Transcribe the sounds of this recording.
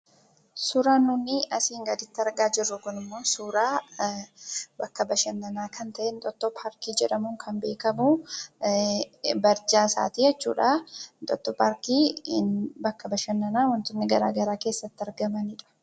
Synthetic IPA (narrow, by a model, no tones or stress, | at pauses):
suːɾaːnːunːɪʔɐsiːŋɡɐd̪ɪt̪ːɪɐɾɡaːd͡ʒɪrːʊɡʊnɪmːoːsuːɾaː | bɐkːɐbɐʃɐnːɐnaːkʰɐnt̪ɐʔɛnt̪ʼɔt̪ːɔpʰaːɾkiːd͡ʒɛᶑɐmuːŋkʰɐnbe̞ːkɐmuː | bɐɾd͡ʒaːsa̰ːt̪iːjɛt͡ʃːṵːᶑaːnt̪ʼɔt̪ːɔpaːɾkiː | bɐkːɐbɐʃɐnːɐnaːwɐnt̪ʊnːɪɡɐɾaːɡɐɾaːke̞ːsːɐt̪ːɪɐɾɡɐmɐnɪᶑɐ̥